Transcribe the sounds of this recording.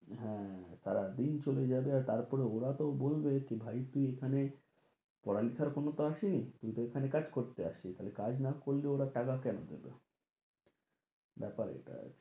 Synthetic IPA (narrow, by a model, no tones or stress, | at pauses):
ɦɛ̃saɾad̪int͡ɕoled͡ʑabeaɾt̪aɾpɔɾeoɾat̪obolbekebʱajt̪uiekʰane | pɔɽalit̪ʰaɾkonot̪oaʃinit̪umit̪oekʰanekad͡ʑkoɾt̪ea̰ʃit̪alekad͡ʑnakoɾːeoɾaʈakakɛnod̪ḛbḛ | bɛpaɾḛʈa̰a̰t͡ɕʰe̥